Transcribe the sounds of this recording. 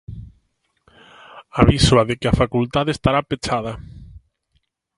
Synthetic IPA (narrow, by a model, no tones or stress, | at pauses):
aβiswaðekɪafakult̪aðest̪aɾapet͡ʃað̞a